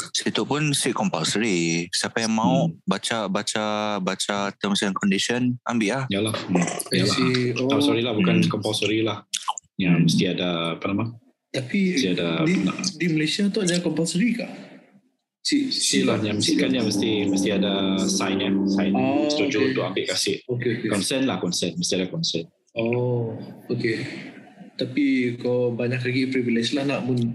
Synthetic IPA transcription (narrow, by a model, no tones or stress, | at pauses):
sit̪uʔpʊnsiʔkɔmpalsəɾisapajaŋmãʊʔbat͡ʃabat͡ʃabat͡ʃat̪əmsankɔndisiɔnambɪʔlahjalahjalaiasɔɾilahbukankɔmpalsəɾilahjaməst̪iadaːpanama | t̪apit̪iadadinadiməlasiat̪ɔʔd͡ʒakɔmpalsəɾikaʔ | siʔsilaɲaməst̪ikanjãməst̪iməst̪iadasajnjaŋsajnst̪ud͡ʒut̪ʊambɪʔkasɪʔokeokekɔnsənlahkɔnsənməst̪iadakɔnsən | o | oke | t̪apikabaɲaklaɡiʔpɾivilɛslahnaʔmʊn